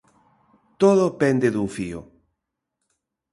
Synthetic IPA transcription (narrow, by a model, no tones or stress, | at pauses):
t̪oðopend̪eðuŋfio̰